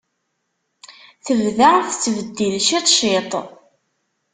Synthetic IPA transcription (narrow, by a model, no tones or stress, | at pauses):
θəvðaʁθt͡sːvəd̪ːilʃit̪ˤʃit̪ˤ